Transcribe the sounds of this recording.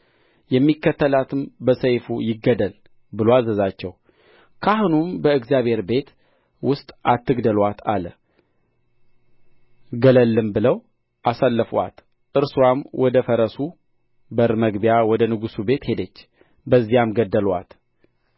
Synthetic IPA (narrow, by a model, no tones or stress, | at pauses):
jɛmːikːət̪ʰːəlat̪ʰɨmbəsəjfujɪɡːəd̪əl | bɨloazəzat͡ʃːɛw | kʰahunumbəɨɡzjaβhe̞ɾbe̞t̪ | wʊst̪ʼʔat̪ːɨɡd̪əlwat̪ʰalə | ɡələlːɨmbɨləw | ʔasalːəfa̰t̪ | ʔɨɾsuwamwʔɔd̪əfəɾəsu | bəɾməɡbijawɔd̪ənɨɡusube̞t̪he̞d̪ət͡ʃː | bəzːijamɡəd̪ːəlwa̰t̪